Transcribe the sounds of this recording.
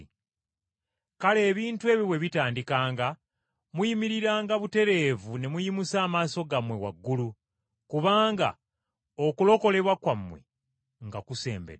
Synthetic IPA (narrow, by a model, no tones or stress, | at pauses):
kale̞ːβiːntue̞ːβiβwe̞βitaːndikaːŋɡa | mwujimiɾiɾaːŋɡaβute̞ɾe̞ːvune̞mujimusaːmaːso̞ɡamwe̞wa̰ɡːulu | kuβaːŋɡa̰ | o̞kulo̞ko̞le̞βwakwamːwe̞̰ | ŋɡakuse̞̰ːmbḛɾ